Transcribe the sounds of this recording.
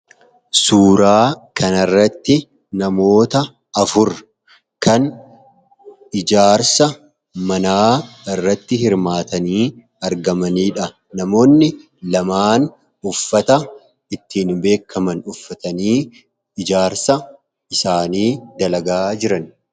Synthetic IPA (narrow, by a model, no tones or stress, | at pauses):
suːɾaːkʰɐnɐrːɐt̪ːɪ | nɐmo̞ːt̪ɐ | ɐfʊɾ | kɐn | ɪd͡ʒaːɾsɐ | mɐnaːɪrːɐt̪ːɪhɪɾmaːt̪ɐniː | ɐɾɡɐmɐniːᶑɐ | nɐmo̞ːnːɪ | lɐmaːn | ʊfːɐt̪ɐ | ɪt̪ːiːnmbe̞ːkʰːɐmɐnʊfːɐt̪ɐniː | ɪd͡ʒaːɾsɐ | ɪsaːniːd̪ɐlɐɡaːd͡ʒɪɾɐn